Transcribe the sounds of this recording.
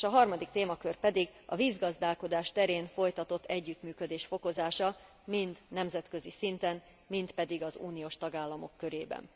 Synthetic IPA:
ʃɒɦɒrmɒd̪ikt̪eːmɒkørpɛd̪iɡɒ̰viːzɡɒzd̪aːlko̞d̪aːʃt̪ɛɾeːnfo̞jt̪ɒt̪o̞t̪ːɛɟːyt̪myːkød̪eːʃfo̞ko̞zaːʃɒ | mind̪nɛmzɛt̪kø̞zisint̪ɛn | mint̪pɛd̪iɡɒzṵːnijoːʃt̪ɒɡaːlːɒmo̞kːø̞ɾeːbɛ̰n

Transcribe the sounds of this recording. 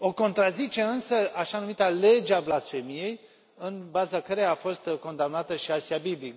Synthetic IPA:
o̞ko̞nt̪ɾazit͡ʃe̞ɨnsəʔaʃanumit̪ale̞d͡ʒeablasfe̞mije̞j | ɨnbazakəɾejaːfo̞st̪ko̞nd̪amnat̪əʃiasiabiblik

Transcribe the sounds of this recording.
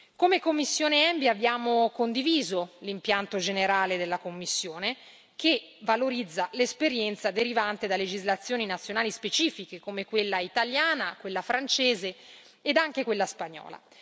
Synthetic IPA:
komekomːisːjoːneɛmbiabːjaːmokond̪iviːzolimpjant̪od͡ʒeneɾaːled̪elːakomːisːjoːne | ke | valoɾid̪zːalespeɾjɛnt̪sad̪eɾivant̪ed̪alːed͡ʒizlat̪sːjoːninat̪sjonaːlispet͡ʃiːfikekomekwelːait̪aljaːnakwelːafɾant͡ʃeːze | ed̪aŋk̟ekwelːaspaɲːɔ̰ːla̰

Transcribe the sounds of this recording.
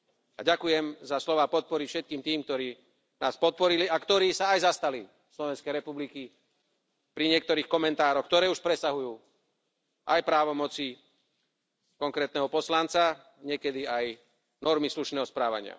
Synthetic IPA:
a̰ɟakujɛmzaslɔʋaːpɔt̪̚pɔɾifʃɛt̪kiːmt̪iːmkt̪ɔɾiː | naːspɔt̪̚pɔɾiliakt̪ɔɾiːsaːjzast̪ali | slɔʋɛnskɛjɾɛpubliki | pɾiɲɪɛk̚t̪ɔɾiːxkɔmɛnt̪aːɾɔxkt̪ɔɾɛːuʃpɾɛsaɦujuː | ʔajpɾaːʋɔmɔt͡si | kɔŋkɾɛːt̪nɛɦɔpɔslant͡sa | ɲɪɛkɛd̪iaj | nɔɾmisluʃnɛːɦɔspɾaːʋa̰ɲɪa̰

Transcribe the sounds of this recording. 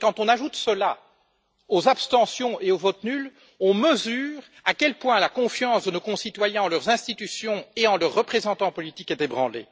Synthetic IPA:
kɑ̃t̪ɔ̃naʒut̪səla | ozapst̪ɑ̃sjɔ̃ʔeovɔt̪nyl | ɔ̃məzyːʁ | akʲɛlpwɛ̃lakɔ̃fjɑ̃sd̪ənokɔ̃sit̪wajɛ̃ɑ̃lœʁzɛ̃st̪it̪ysjɔ̃eɑ̃lœʁːəpχezɑ̃t̪ɑ̃pɔlit̪ikɛt̪ebʁɑ̰̃lḛː

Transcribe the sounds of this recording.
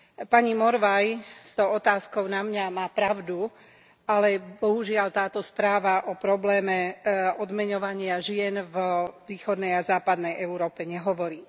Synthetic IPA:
paɲimɔɾʋajst̪ɔʊɔt̪aːskɔʊnamɲamaːpɾaʊd̪u | alɛbɔɦuʒɪaʎt̪aːt̪ɔspɾaːʋaʔɔpɾɔblɛːmɛɔd̪mɛɲɔʋaɲɪaʒɪɛnvʋiːxɔd̪nɛjazaːpad̪nɛjɛuɾɔːpɛɲɛɦɔʋɔɾiː

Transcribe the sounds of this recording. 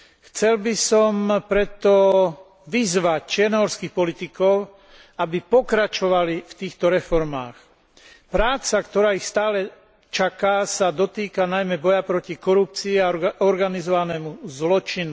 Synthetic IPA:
xt͡sɛlbisɔmpɾɛt̪ɔ | ʋizʋac̚t͡ʃɪɛɾnɔɦɔɾskiːxpɔlit̪ikɔʊ | abipɔkɾat͡ʃɔʋalift̪iːxt̪ɔɾɛfɔɾma̰ːx | pɾaːt͡sakt̪ɔɾaːixst̪aːlɛ | t͡ʃakaːsad̪ɔt̪iːkanajmɛbɔjapɾɔcikɔɾup̚t͡siːaɔɾɡanizɔʋanɛːmuzlɔt͡ʃinu

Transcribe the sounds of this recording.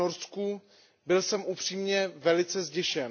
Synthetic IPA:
oɾsku | bɪlsɛmʔupr̥iːmɲɛvɛlɪt͡sɛzɟɛʃɛn

